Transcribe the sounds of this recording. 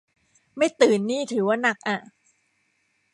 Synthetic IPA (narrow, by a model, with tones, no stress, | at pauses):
ma˥˩jt̪ɯː˨˩nːiː˥˩t̪ʰɯː˩˦waː˥˩na˨˩k̚ʔa˧˩